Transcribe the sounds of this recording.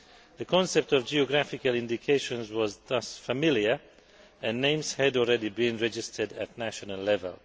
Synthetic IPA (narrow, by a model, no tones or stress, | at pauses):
ðəkʰɔ̃nsɛp̚tɔvd͡ʒiɔɡɹæfɪkalɪ̃ndikʰeɪʃə̃nzwɔzðʌsfəmɪljə˞ | ɨ̃nːẽɪ̃mz̥hædɔlˠɹɛdibĩnɹɛd͡ʒɪstʰədæ̰t̚næʃɔnəlːɛvə̰lˠ